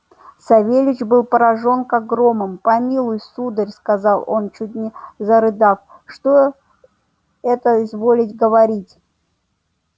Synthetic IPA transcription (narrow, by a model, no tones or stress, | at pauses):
sɐvʲelʲɪt͡ɕbɨlˠpəɾɐʐo̞nkɐɡɾo̞mɨmpɐmʲilˠʊjsud̪ərʲskɐzɑlˠo̞nt͡ɕut̚ʲnʲɪzəɾɨd̪afʂt̪o | ɛt̪əzvo̞lʲɪtʲɡəvɐɾʲitʲ